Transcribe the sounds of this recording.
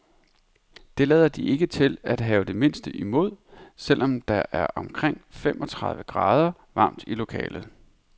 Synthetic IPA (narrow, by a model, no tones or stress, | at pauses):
d̥e̝lɛð̞ˠɐd̥iʔe̝ɡ̥ət͡sʰe̝læd̥ɦɛːʊd̥e̝me̝nsd̥əʔimo̝ð̞̰ˠsel̰ʔɒ̽md̥ɑ̈ʔæɐʔɒ̽mkʰʁeŋ̰fem̰ʔɒ̽t͡sʰʁɑ̈ðˠʋəɡ̥ʁɑ̈ːð̞ˠɐ | ʋɑ̈md̥ilo̝kʰɛ̰ːlð̩ˠ